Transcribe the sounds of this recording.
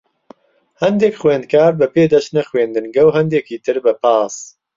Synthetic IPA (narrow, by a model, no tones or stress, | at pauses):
hɛnd̪ekxweːnd̪̚kaːɾbɨpeːd̪ɐʃnɐxweːnd̪ɨnɡɐwɦɛnd̪eːkiːt̪ʰɨɾbɨpaːs